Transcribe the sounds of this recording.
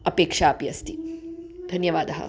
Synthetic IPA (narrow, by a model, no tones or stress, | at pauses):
ɐpeːkʂaːpiɐst̪id̪ʱɐnjɐʋaːd̪ɦɐ̰